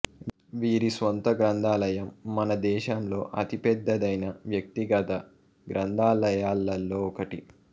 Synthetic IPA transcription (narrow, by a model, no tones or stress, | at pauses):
ʋiːɾisʋɐnt̪ɐɡɾɐnd̪ʱaːlɐjɐmːɐnɐd̪ɛːʃɐmlo̞ːʔɐt̪ipɛd̪ːɐd̪ɐjnɐʋjɐk̚t̪iɡɐt̪ɐ | ɡɾɐnd̪ʱaːlɐjaːlːɐlːo̞ːɔkɐʈi